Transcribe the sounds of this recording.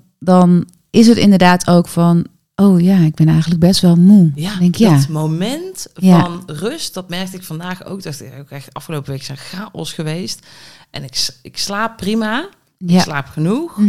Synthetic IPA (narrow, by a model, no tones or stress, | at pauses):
dɔn | ɪs̬ətɪ̰ndərdaːtʰowkfɑn | ʔowjaːɪɡ̚bɛnɛjxəntləɡ̚bɛstʋɛlˠmudɛŋkjamowmɛntjfanrøstd̥ɑtmɛrk̚tɪkfɑndaːxo̰wk̚dɔtokɛxɑfxəlowpəʋejkzɛnxaːʔɔsxəʋejstʔɛ̰nɪkɪkslaːpːrima | ɪlaːpxənux